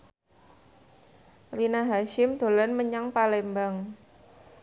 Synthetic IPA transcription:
rinaɦaʃɪmd̪̥o̤lanməɲaŋpalembaŋ

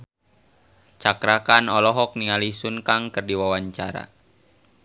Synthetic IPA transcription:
t͡ʃakɾakanɔlɔɦɔk̚niŋalisunkaŋkərdiwawaɲt͡ʃaɾa̰

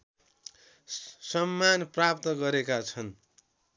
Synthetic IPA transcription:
sʌmːanprap̚t̪ʌɡʌɾekat͡sʰʌn

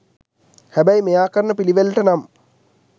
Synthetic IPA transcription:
hæbəjmejaːkəɾənəpiliʋelʈənam

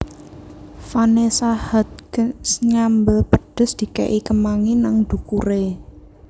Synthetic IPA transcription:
fanesahat̪̚ksɲambəpə̤ɖ̥ʊ̤sd̪̥i̤kḛʔikəmaŋinaŋd̪̥ṳkuɾe

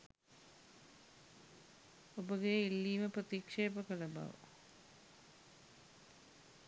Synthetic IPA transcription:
obəɡeilːiːməprət̪ikʂeːpəkəlɐba̰ʋə̰

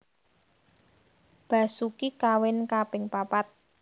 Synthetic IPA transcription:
b̥a̤sukikawɪnkapɪŋpapat̪̚

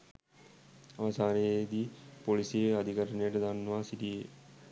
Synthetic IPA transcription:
ɐʋɐsaːɾed̪ipoliseɐd̪ʱikɐɾəɳjəʈɐd̪anːʋaːsiʈie

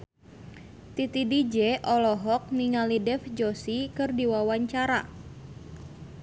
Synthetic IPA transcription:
t̪it̪idid͡ʒɛʔɔlɔɦɔk̚niŋalidɛfd͡ʒosikɨrdiwawaɲt͡ʃaɾa̰

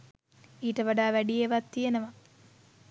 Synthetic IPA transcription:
iːʈəʋaɖaːʋæɖijeʋat̪ːijenəʋa

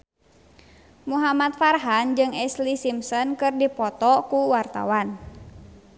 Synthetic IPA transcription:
muɦamat̪̚farɦand͡ʒɨŋɛslisimsɔnkɨrdipɔt̪ɔkuwart̪a̰wan

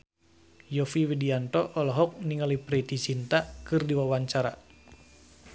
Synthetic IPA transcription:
jɔfiwidiant̪ɔʔɔlɔɦɔk̚niŋalipɾit̪it͡ʃint̪akɨrdiwawaɲt͡ʃaɾa̰

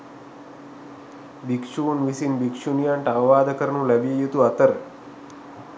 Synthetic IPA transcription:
bikʃuːnʋisinbikʃunjaɳʈaːʋaːd̪əkəɾnũlɐbiejut̪uɐt̪əɾ

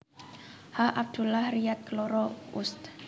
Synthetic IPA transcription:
haʔab̚d̪̥ṳlahriat̪̚kəlɔɾɔust̪

